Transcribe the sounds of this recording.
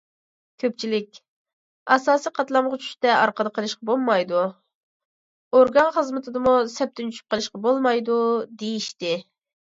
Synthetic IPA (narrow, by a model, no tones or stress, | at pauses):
kʲʰøp̚t͡ʃʰilɪk̚ʲ | ɑsɑːsijqʰɑt̪lˠɑmʁʊt͡ʃʰy̥ʃt̪ɛɑɾqəd̪əqʰəlˠɨʃqɑbolˠmɑjd̪u | oɾɡɑnχəzmɨt̪ʰɪd̪ɨmusɛp̚t̪ʰynt͡ʃʰyt͡ʃʰy̥p̚qəlˠɨʃqɑbolˠmɑjd̪ud̪ejiʃt̪ɪ